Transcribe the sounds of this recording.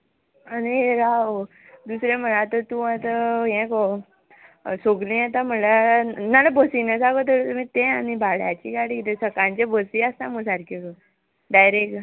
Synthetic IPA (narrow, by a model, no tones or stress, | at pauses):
aniɾao | d̪usɾem̤əɭat̪ət̪ũat̪əɦɛ̃kɔ | soɡlĩat̪ãm̤əlanalabəsinəsaɡot̪̬əɾt̪um̤ĩt̪ẽanibaɭja̰t͡ɕḭkaɽikit̪esəkãɲt͡ɕebəsiast̪ãməsaɾkʰik | dajɾek